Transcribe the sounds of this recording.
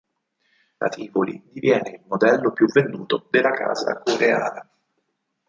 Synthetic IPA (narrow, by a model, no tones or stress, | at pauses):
la̰t̪ʰiːvolḭd̪ivjɛːneilmod̪ɛlːopjuvend̪uːt̪od̪elːakʰa̰ːza̰koɾea̰ːna